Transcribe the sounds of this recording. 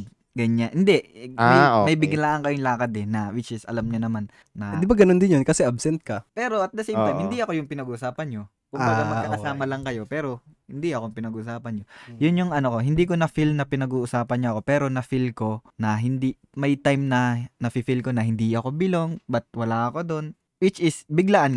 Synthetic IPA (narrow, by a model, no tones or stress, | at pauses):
ɡɐɲanhɪnd̪ɛʔamɐomɐjbɪɡlaːʔɐŋkɐjoŋlaːkɐd̪ɛnɐwɪt͡ʃɪsɐ̰lamɲonɐmanː | ɐd̪ɪbaɡɐnond̪ɪnjonkɐsɛʔɐbsɛnt̪̚kɐpɛːɾo̞ʔɐt̪̚d̪ɐsɛːmpɛhɪnd̪iʔɐko̞jʊŋpɪnɐɡuʔʊsaːpɐnɲo̞ | kʊmbaamɐkkɐaːmɐlɐŋkɐjo̞pɛːɾo̞hɪnd̪iʔɐkoŋpɪnɐɡuʔʊsaːpɐnɲojʊnjʊŋʔɐnoko̞ɦɪnd̪iːk̬o̞nɐfilnɐpɪnɐɡuːʔʊsaːpɐnɲoʔɐko̞pɛːɾo̞nɐfilko̞nɐɦɪnd̪i | mɐjt̪ajmnɐnɐfɪfilko̞nɐɦɪnd̪iɐko̞bɪlo̞ŋbɐt̪̚wɐlaːʔɐko̞d̪o̞n | wɪt͡ʃɪsbɪɡlaʔn